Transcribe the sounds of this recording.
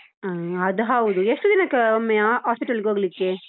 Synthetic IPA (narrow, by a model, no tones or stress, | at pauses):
ɐd̪uɦɐwud̪ueʂʈud̪inɐkːɐomːeaːspiʈɐlɡoːɡɐlikːe